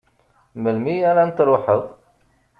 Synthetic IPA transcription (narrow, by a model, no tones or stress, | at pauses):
məlmiaɾant̪ɾˤoħəðˤ